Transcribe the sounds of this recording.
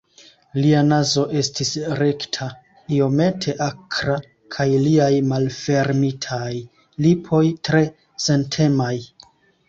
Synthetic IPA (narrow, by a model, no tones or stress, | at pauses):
lianazo̞ʔe̞stisɾe̞ktʰa | io̞me̞tʰe̞ʔakɾa | kʰajliajmalfe̞ɾmitʰaj | lipʰo̞jtɾe̞ | se̞ntʰe̞maj